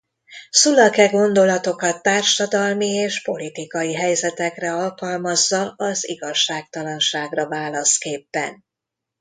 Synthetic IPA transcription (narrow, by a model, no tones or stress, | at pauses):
sulɒkɛɡo̞nd̪o̞lɒt̪o̞kɒt̪ːaːrʃɒd̪ɒlmieːʃpo̞lit̪ikɒjiɦɛjzɛt̪ɛkrɛɒlkɒlmɒzːɒlɒziɡɒʃːaːk̚t̪ɒlɒnʃaːɡrɒvaːlɒskeːpːɛ̰n